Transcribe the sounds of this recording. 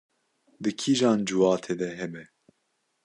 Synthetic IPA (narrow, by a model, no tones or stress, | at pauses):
d̪ɨkʰiːʒɑːnd͡ʒuwɑːt̪ʰeːd̪ɛɦɛmɛ